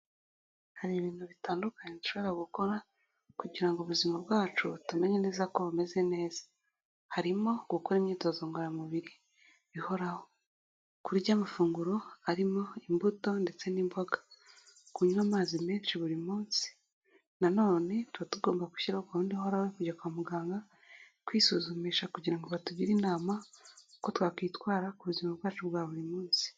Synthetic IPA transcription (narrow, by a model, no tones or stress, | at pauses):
haɾiβiːn̥huβitaːndukaɲetuʃo̞βoɾaɡuko̞ɾa | kuɟiɾaŋɡoβuzimabɡaːt͡ʃutume̞ɲe̞ne̞ːzako̞βume̞ze̞ne̞ːzḁ | haɾimo̞ɡukoɾimɲiːto̞zoːŋɡoɾamuβiɾi | βiho̞ɾaho̞ | kuɾɟamafuːŋɡuɾo̞aɾimo̞imbuto̞nde̞t͡se̞nimbo̞ɡakuɲunaːmaːzimeːnʃiβuɾimuːnsi̥ | nano̞ːne̞tuβatuɡo̞ːmbaku̥ʃiɾaokahuːndihoɾawekuɟakuamuɡaːŋɡa | kwiːsuzumiːʃakuɟiɾaŋɡo̞βatuɟiɾinaːmauko̞twaːkwiːtwaːɾakuβuzimabɡaːt͡ʃubɡaːβuɾimuːnsi̥